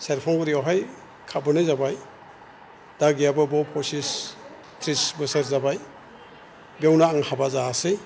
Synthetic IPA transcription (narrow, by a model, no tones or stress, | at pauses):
seɾpʰɔŋɡuɾiɔwɦaj | kʰabɯnɯzabaj | d̥aɡijabɯbɔpʰɔsis | tʰɾisbɯseɾzabaj | bawnaːŋhabazaːsɯj